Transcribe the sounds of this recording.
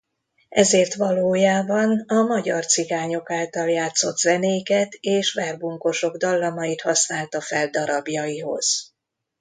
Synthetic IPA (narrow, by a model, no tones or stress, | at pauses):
ʔɛzeːrt̪ʋɒloːjaːbɒnɒmɒɟɒrt̪siɡaːɲo̞kaːlt̪ɒljaːt̪sːo̞t̪z̥ɛneːjkɛt̪eːʃʋɛrbuŋko̞ʃo̞ɡd̪ɒlːɒmɒjit̪hɒsnaːlt̪ɒfɛld̪ɒɾɒbjɒjiɦo̞̰z̥